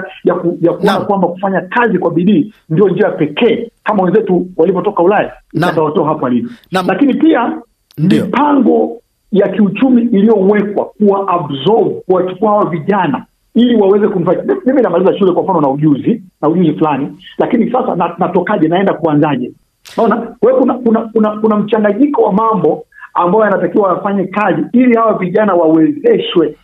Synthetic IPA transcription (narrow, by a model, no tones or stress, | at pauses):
jakujakuɔnakwambaku̥faɲakazikwaɓiɗiː | ndiɔnd͡ʒiaapɛkʰɛːkamawɛnzɛtuwalivɔtɔkaulaja | iɛndawatɔːɦapaalivɔlakinipia | mipaŋɡɔ | jakiut͡ʃumiʔːlijɔwɛkwa̰kuwaʔabzɔvukawat͡ʃu̥kuahawaviʄana | iliwawɛzɛkum̩faɲamiminamalizaʃulɛkwam̩fanɔnauʄuzinauʄuzifulanilakinisasa̰nanatɔkaʄɛnaɛndakuanzaʄɛ | naɔnawɛkunakunakunakunam̩t͡ʃaŋɡaɲikɔwamambɔambajɔjanatakiwaafaɲɛkaziilihawaviʄanawawɛzɛʃwɛ